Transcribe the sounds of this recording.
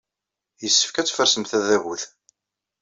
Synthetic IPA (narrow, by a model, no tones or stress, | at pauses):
jəsːə̥fkæt͡sːfəɾsəmθæðæwuθ